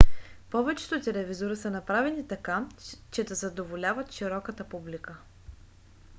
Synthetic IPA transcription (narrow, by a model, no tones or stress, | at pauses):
pɔvɛt͡ʃɛ̥t̪ot̪ɛlɛvizoɾisənɐpɾavɛnit̪ɐkat͡ʃɛd̪ɐzɐd̪ovolʲavət̪ʃiɾɔkət̪əpublikə